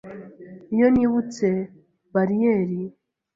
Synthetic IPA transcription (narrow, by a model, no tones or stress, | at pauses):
ijoniβut͡se̞ | baɾijeɾi